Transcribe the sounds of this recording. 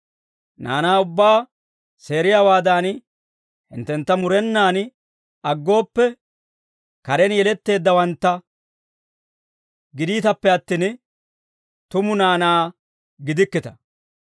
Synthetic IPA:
na̰ːnaːʊbːaː | se̞ːɾɪjaːwaːd̪aːn | hɪ̰nt̪ːɛnt̪ːɐmʊɾɛnːaːn | ɐɡːo̞ːpːɛ | kɐɾɛnjɛlɛt̪ːe̞ːd̪ːɐwɐnt̪ːɐ | ɡɪd̪iːt̪ɐpːɛɐt̪ːiːn | t̪ʊmʊnaːnaː | ɡɪd̪ɪkːɪt̪ɐ̥

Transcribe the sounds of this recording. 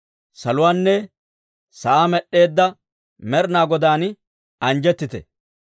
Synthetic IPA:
sɐlʊwaːnːɛ | sɐʔaːmɛɗːe̞ːd̪ːɐ | mɛɾnaːɡɔd̪aːn | ɐnd͡ʒɛt̪ːɪt̪ɛ̰

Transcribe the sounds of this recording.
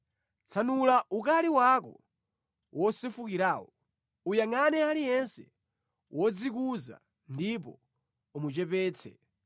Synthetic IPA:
t͡sʰanulaʔukaliwakɔ̰ | wɔsifukiɾaːwɔ | ujaŋanɛalijɛnsɛ | wʔɔd͡zik̬uza̰ | ndipɔ | umut͡ʃɛpɛːt͡sʰɛ̰

